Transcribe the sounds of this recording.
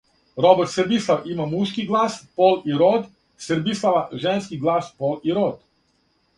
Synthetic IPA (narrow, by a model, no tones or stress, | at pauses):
ɾobɛrt̪səɾbislˠaʋimamuʃkiɡlˠaːspoːliɾod̪ | səɾbislˠaʋaʒenskiɡlˠaːspoliɾod̪